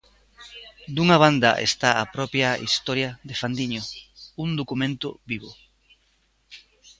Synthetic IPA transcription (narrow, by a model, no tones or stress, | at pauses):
d̪uŋɐβ̞and̪ɐ̰ʔḛst̪aapɾɔpjaḭst̪ɔɾjɐðɪfand̪iɲound̪okumẽnt̪ʊ̰βiβo